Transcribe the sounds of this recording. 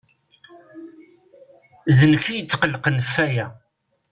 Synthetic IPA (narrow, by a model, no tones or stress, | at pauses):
ðənfijət͡sːqəlːqənfːæjæ